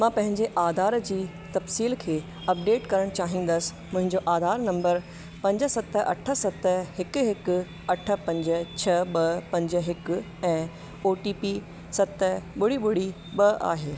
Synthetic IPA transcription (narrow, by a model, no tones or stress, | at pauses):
mãːpɐ̃ɦɪ̃ɲd͡ʑeʔaːd̪ʱaːɾd͡ʑiː | t̪ɐfsiːlkʰeː | ɐp̚ɖeːʈkɐɾəɽ̃t͡ɕaːɦĩːn̆d̪əsɪ̥̆mʊ̃ɦɪ̃ɲd͡ʑoʔaːd̪ʱaːɾnɐ̃mbəɾ | pɐ̃ɲd͡ʑə̆sɐt̪ɐ̰ʈʰə̆sɐt̪hɪkʊɦɪkʊ | ɐʈʰə̆pɐ̃ɲd͡ʑə̆t͡ɕʰɐɓɐpɐ̃ɲd͡ʑə̆ɦɪkʊ̆ | ɛ̃ː | oːʈiːpi | sɐt̪ɓʊɽiɓʊɽ̤i | ɓɐa̰ːɦeː